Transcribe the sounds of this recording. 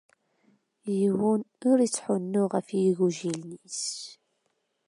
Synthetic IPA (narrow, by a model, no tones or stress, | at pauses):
jiwunʊɾit͡sːħʊnːʊʁəfjiɣuʒilnis